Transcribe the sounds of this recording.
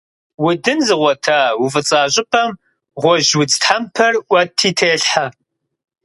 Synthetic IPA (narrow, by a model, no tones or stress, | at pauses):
wʊdɨnzɨʁʷɔtʰaːwufɨt͡sʼaːʑʼɪpʰɐm | ʁʷɔʒwʊt͡stħampʰɐrʔʷɐtʰːiːtʰeːɬħa